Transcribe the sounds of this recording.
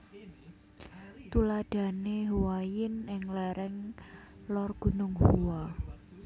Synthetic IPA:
t̪ulad̥a̤neɦuwajɪnɪŋlɛɾɛŋ | lɔrɡ̥ṳnʊŋhuwa

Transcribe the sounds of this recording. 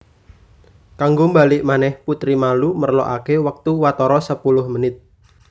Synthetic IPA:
kaŋɡombalɪʔmanɛhput̪ɾimalumərlɔ̰ʔakewək̚t̪uwat̪ɔɾɔsəpulʊhmənɪt̪̚

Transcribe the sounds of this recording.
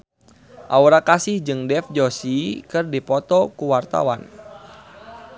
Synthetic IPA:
ʔauɾakasɪhd͡ʒɨŋdɛfd͡ʒɔsikɨrdipɔt̪ɔkuwart̪a̰wa̰n

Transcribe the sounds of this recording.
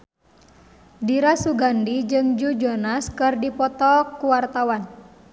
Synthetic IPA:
diɾasuɡandid͡ʒɨŋd͡ʒud͡ʒɔnaskɨrdipɔt̪ɔkuwart̪awan

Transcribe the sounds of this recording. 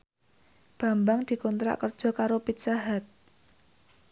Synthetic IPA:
b̥a̤mbaŋd̪̥i̤kɔnt̪ɾa̰ʔkər̥ʒ̥ɔ̤kaɾopit̪saɦat̪̚

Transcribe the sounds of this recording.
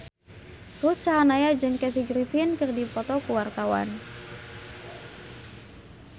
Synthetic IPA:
rut̪̚t͡ʃaɦanajad͡ʒɨŋkɛt̪iɡɾipɪnkɨrdipɔt̪ɔkuwart̪awa̰n

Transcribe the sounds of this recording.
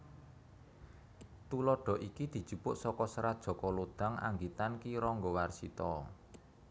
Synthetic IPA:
t̪ulɔɖ̥ɔ̤ʔikid̪̥i̤̥ʒ̥ṳpʊʔsɔkɔsəɾad̥ʒ̥ɔ̤kɔlod̪̥a̤ŋʔa̰ŋɡit̪ankiɾɔŋɡowarsit̪ɔ

